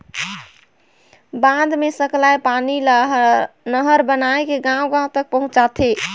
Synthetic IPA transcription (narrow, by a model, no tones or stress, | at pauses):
bãd̪mesəklajpani | nəɦəɾbənaekeɡãwɡãw̃t̪ək̚pəɦũt͡ʃat̪ʰe